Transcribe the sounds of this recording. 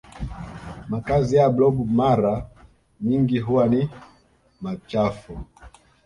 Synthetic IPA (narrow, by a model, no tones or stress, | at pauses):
makazijablɔbumaɾa | ɲiŋɡiɦuwani | mat͡ʃafu